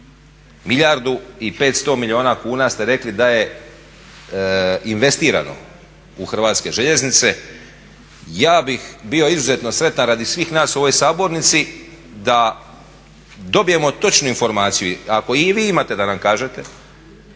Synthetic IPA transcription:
miʎaɾd̪uipe̞ːt̪st̪o̞milʎʲio̞ːnakuːnast̪e̞ɾe̞klid̪aje̞ | inʋe̞st̪iːɾa̰no̞̰ | uxr̩ʋaːt̪ske̞ʒe̞ʎe̞znit̪se̞ | jaːbixbio̞izuze̞t̪no̞sɾe̞t̪anɾaːd̪isʋiːxnaːsoʋo̞jsaːbo̞ɾnit̪si | d̪a | d̪o̞bije̞mo̞t̪o̞t͡ʃnuinfo̞ɾmaːt̪sijuako̞iʋiːimaːt̪ed̪anamkaːʒe̞t̪e̞

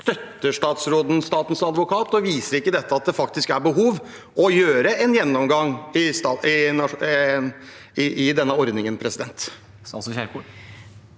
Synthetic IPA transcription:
st̪œt̪ːəʂʈɑːt̪sɾoːd̪n̩st̪ɑːt̪n̩sɑd̪ʋʊkʰɑːt̪ɔʋiːsəɾɪkːəd̪ɛt̪ːəɑt̪̚d̪ɛfɑkt̪ɪskæɾbəɦuːʋ | ɔjøːɾəɛnjɛnːɔmɡɑŋɪst̪ɑɪnɑ | ɪʔɪd̪ɛnːəɔɾd̪nɪŋənpʰɾɛsɪd̪ɛnt̪ | ɑ̰sɔçæɾkʰu

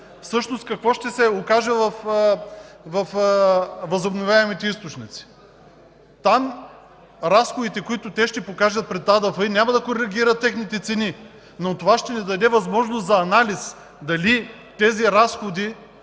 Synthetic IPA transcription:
fsɤʃnost̪kɐkvɔʃt̪ɛsɛokaʒɛvɐf | vɐf | vɐzobnovʲjaɛmit̪ɛist̪ot͡ʃnit̪si̥ | t̪am | ɾasxod̪it̪ɛkʊit̪ʊt̪ɛʃt̪ɛpokaʒɐt̪̚pɾɛt̪ːad̪ɐfəinʲamɐd̪ɐkoɾɛɡʲiɾɐt̪ːɛxnit̪ɛt̪sɛni | not̪ovaʃt̪ɛnid̪ɐd̪ɛvɐzmɔʒnʊst̪zɐːnalis | d̪ɐli | t̪ɛziɾasxod̪i

